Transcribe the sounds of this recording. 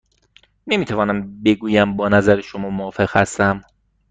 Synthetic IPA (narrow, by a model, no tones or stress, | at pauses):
ne̞miːt̪ʰævɒːnæmbe̞ɡuːjæmbɒːnæzæɾeʃomɒːmoːfe̞ɣhæst̪æm